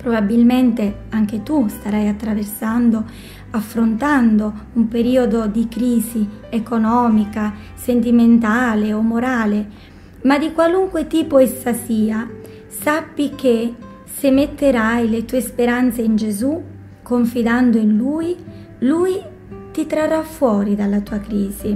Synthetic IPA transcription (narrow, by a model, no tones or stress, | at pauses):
pɾobabilment̪e | aŋk̟et̪ust̪aɾajat̪ːɾaversand̪o | afːɾont̪and̪oumpeɾiːod̪od̪ikɾiːzi | ekonɔːmika | sent̪̬iment̪aːleomːoɾaːle | mad̪ikwaluŋkwet̪iːpoesasiːa | sapːike | semːet̪ːeɾajlet̪uːespeɾant̪seind͡ʒezu | kːoɱfid̪and̪oinluːj | luːj | t̪it̪ɾarːafːwɔːɾid̪alːat̪uːakɾiːzi